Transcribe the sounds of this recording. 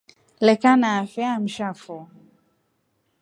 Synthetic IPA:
lɛkanafɛam̩ʃafɔ

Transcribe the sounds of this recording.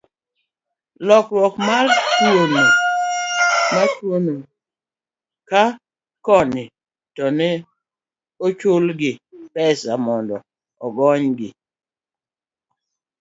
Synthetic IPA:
lɔkɾwɔkmartwono | matwono | ka | kɔnɪ | tɔnɛ | ot͡ʃʊlɡɪbɛsamɔndɔ̰ | ɔɡɔɲɡɪ̰

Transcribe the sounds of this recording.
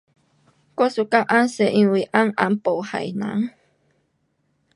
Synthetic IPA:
kosukaʔanseʔĩwiʔaŋampowha̰jna̰ŋ

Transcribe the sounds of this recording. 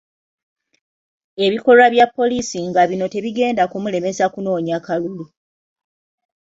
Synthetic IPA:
e̞βiko̞laβjapːo̞lisiŋɡaβino̞te̞βiɡe̞ːndakumule̞me̞sakuno̞ːɲakalulu

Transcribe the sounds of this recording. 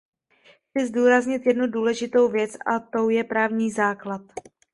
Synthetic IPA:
xt͡sɪzduːɾazɲɪt̪jɛdnuduːlɛʒɪt̪o̞wvjɛt͡sʔa̰t̪o̞wjɛpɾaːvɲiːzaːklat̪

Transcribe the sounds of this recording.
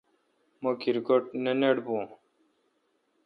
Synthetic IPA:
mokiɾɡoʈ̚neneɽbũː

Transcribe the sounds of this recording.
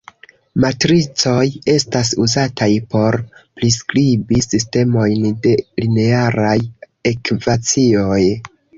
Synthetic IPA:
matɾit͡so̞je̞stas̬uzatʰajpo̞ɾpɾiskɾibisiste̞mo̞jnde̞line̞aɾaj | ekvat͡sio̞j

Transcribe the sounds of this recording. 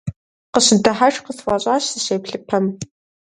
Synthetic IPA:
qəɕɨdɐħaʂqəswɑɕʼaːɕsɨɕeːpɬɨpʰɐm

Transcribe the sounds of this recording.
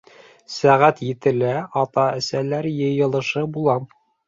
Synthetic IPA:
sæʁæt̪jɘ̆t̪ɘ̆læɑt̪ɑɘ̆sælæɾjɤ̆jɤ̆lˠɤ̆ʃɤbulˠɑm

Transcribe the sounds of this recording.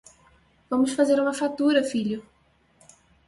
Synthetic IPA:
vɐ̃mʊsfazeɾũmɐfat̪uɾɐfiʎʊ

